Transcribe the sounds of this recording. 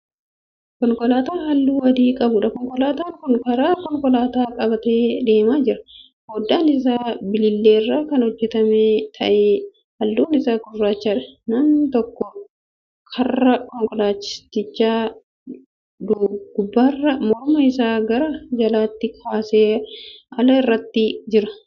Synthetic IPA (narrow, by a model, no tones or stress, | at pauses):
kɔŋkɔlaːt̪aːnhɐlːuːwɐd̪iːkʼɐbʊᶑɐkɔŋkʼɔlaːt̪aːŋkʊŋkɐɾaːkɔŋkʼɔlaːt̪aːkʼɐbɐt̪eːᶑ̪e̞ːmaːd͡ʒɪɾɐ̥ | hoːd̪ːaːnɪs̬aːbɪlɪlːeːrːaːkɐnhɔd͡ʒːɛt̪ɐmeːt̪ʰɐʔeː | hɐlːuːnɪsaːkʊrːaːt͡ʃːaːᶑɐnɐmt̪ɔkːɔ | kʰɐrːɐkɔŋkʼɔlaːt͡ʃːɪ̥st̪ːɪt͡ʃːaː | d̪ʊɡʊbːarːɐmɔɾʊmɐɪsaːɡɐɾɐd͡ʒɐlaːt̪ːɪkʰaːseːɐlɐɪrːɐt̪ːɪd͡ʒɪɾɐ